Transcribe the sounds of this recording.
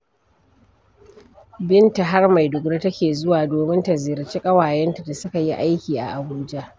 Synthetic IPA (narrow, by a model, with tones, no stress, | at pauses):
bɪ˦nta˨ɦa˦rma˨jdʊ˨kɽe˦tɐ˦kʲeː˨zʊ˦waː˨doː˨mɪ˦nta˨zɪ˨ɾt͡ʃe˦kʼɐ˦waː˨jɛ˦nta˨da˨sʊ˦ka˨ji˦ʔa˦jkʲiː˨ʔa̰˨ʔa˨buː˦d͡ʒa˦ʔ